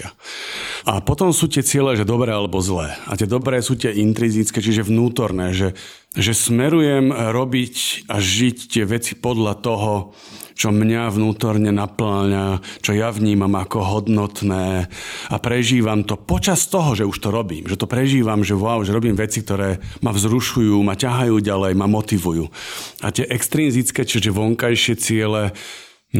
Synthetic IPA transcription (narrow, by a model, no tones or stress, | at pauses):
apɔt̪ɔmsuːt̪ɪɛt͡sɪɛlɛʒɛd̪ɔbɾɛːalɛbɔzlɛːa̰t̪ɪɛd̪ɔbɾɛːsuːt̪ɪɛʔint̪ɾizit͡skɛːt͡ʃiʒɛʋnuːt̪ɔɾnɛːʒɛ | ʒɛsmɛɾujɛmɾɔbicaʒict̪ɪɛʋɛt͡si̥pɔd̪ʎat̪ɔɦɔ | t͡ʃɔmɲaʋnuːt̪ɔɾɲɛnaplaːɲat͡ʃɔjaʋɲiːmamakɔɦɔd̪nɔt̪nɛːapɾɛʒiːʋamt̪ɔpɔt͡ʃast̪ɔɦɔʒɛuʃt̪ɔɾɔbḭːmʒɛt̪ɔpɾɛʒiːʋamʒɛʋaʊʒɛɾɔbiːmʋɛt͡sik̚t̪ɔɾɛːmavzɾuʃujuːmacaɦajuːɟalɛjmamɔt̪iʋujuːa̰t̪ɪɛʔɛkst̪ɾiːnzit͡skɛːt͡ʃɛʒɛʋɔŋkajʃɪɛt͡sɪɛlɛ